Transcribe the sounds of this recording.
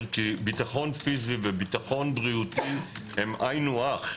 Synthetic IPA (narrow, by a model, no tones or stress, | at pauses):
kibitaχo̞nfizivebitaχo̞nbʁiuti | hemajnuaχ